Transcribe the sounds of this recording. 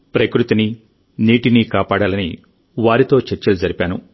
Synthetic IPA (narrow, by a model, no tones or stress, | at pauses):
pɾɐkɾut̪ini | niːʈinikaːpaːɽaːlɐnḭ | ʋaːɾit̪o̞ːt͡ʃeɾt͡ʃːɐlud͡ʒɐɾipʲaːnṵ